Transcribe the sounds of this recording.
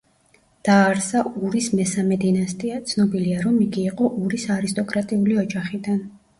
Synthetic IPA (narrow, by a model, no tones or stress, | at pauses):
d̪̥aːɾsauɾismɛsamɛd̪inast̪ʼiat̪sʰnɔbiliaɾɔmiɡiːqʼɔʔuɾisaɾist̪ʼɔkʼɾat̪ʼiuliɔd͡ʒaχid̪an